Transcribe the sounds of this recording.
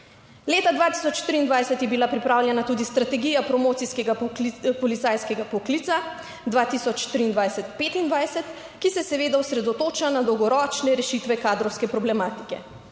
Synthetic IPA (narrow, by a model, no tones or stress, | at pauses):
leːt̪ad̪ʋaːt̪isɔt͡ʃt̪ɾiːnd̪ʋajsɛt̪jɛbilapɾipɾaːwljɛnat̪uːd̪ist̪ɾat̪ɛɡijapɾɔmoːt̪siskɛɡapɔlit̪sajskɛɡapɔkliːt̪sa | d̪ʋaːt̪isɔt͡ʃt̪ɾiːnd̪ʋajsɛt̪peːt̪ind̪ʋajsɛt̪ | kisɛsɛʋeːd̪aɔsɾɛd̪ɔt̪oːt͡ʃanad̪ɔwɡɔɾɔːt͡ʃnɛɾɛʃit̪ʋɛkaːd̪ɾɔwskɛpɾɔblɛmaːt̪i̥kɛ̰